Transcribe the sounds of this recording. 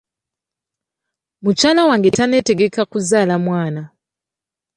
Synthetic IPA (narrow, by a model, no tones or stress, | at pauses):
mut͡ʃaːlawaːŋɡe̞tane̞te̞ɡe̞kakuzaːlamwaːna